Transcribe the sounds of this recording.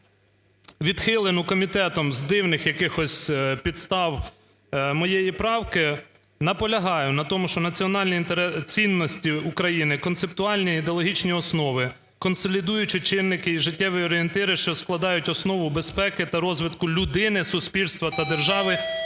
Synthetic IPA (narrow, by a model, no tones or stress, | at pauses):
ʋʲid̪xɪlˠɪnʊkɔmʲit̪ɛt̪ɔmzd̪ɪwnɪxjɐkɪxɔsʲpʲid̪st̪ɑw | mɔjɛjipɾɑwkɪ | nɐpɔlʲɐɦɑjʊnɐt̪ɔmʊʃt͡ʃɔnɐt͡sʲiɔnɑlʲnʲiint̪eɾɛt͡sʲinːɔsʲtʲiukɾɐjinɪkɔnt̪sep̚t̪ʊɑlʲnʲiːd̪eɔlˠɔɦʲit͡ʃnʲiɔsnɔʋɪ | kɔnsɔlʲid̪ujʊt͡ʃɪt͡ʃɪnːɪkɪiʒɪtʲːɛʋɪjɔɾʲɪent̪ɪɾɪʃt͡ʃɔsklˠɐd̪ɑjʊtʲɔsnɔʋʊbespɛkɪt̪ɐɾɔzʋɪt̪kʊlʲʊd̪ɪnɪsʊsʲpʲilʲst̪ʋɐt̪ɐd̪erʒɑʋɪ